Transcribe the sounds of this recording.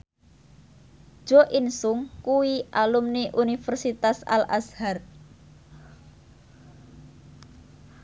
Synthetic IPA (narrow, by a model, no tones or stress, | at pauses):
ʒ̥ɔ̤ʔinsʊŋkuwiʔalumniʔunifɛrsit̪asa̰lʔa̰shar